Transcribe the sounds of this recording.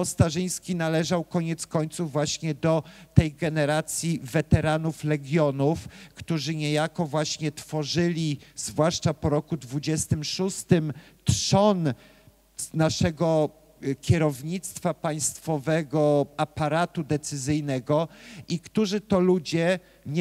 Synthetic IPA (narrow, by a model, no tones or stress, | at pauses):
pɔst̪aʐɘj̃skʲinalɛʐawkɔɲɛt̪skɔɲt̪suvːwaɕɲɛd̪ɔt̪ɛjɡɛnɛɾat̪sʲjivɛt̪ɛɾanuflɛɡʲjɔnufkt̪uʐɘɲejakɔvwaɕɲɛt̪fɔʐɘlʲiz̥vwaʂt͡ʂapɔɾɔkud̪vud͡ʑɛst̪ɘmʂust̪ɘm | t̪ʂɔn | naʂɛɡɔ | kʲɛɾɔvɲit̪st̪fapaj̃st̪fɔvɛɡɔapaɾat̪ud̪ɛt̪sɘzɘjnɛɡɔʔikt̪uʐɘt̪ɔlud͡ʑɛ | ɲ